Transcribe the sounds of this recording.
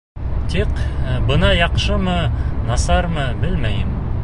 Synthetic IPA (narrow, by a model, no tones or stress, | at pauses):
t̪iqbɤ̆nɑjɑqʃɤmɤnɑsɑɾmɤbɘlmæjɘm